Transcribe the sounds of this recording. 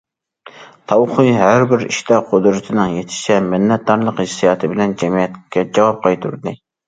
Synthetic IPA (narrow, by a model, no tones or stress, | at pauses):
t̪ʰɑwqʰɨjhæɾbɪɾḭʃt̪ɛqʰod̪ɾɪt̪ʰɪnɪŋjet̪ʰɪ̥ʃɛmɪnːɛt̪̚d̪ɑɾlˠəqhɪsːijɑt̪ʰɨbɪlɛnd͡ʒɛmijɛt̪kʲɛd͡ʒɛwɑp̚qʰɑjt̪ʰuɾd̪ɪ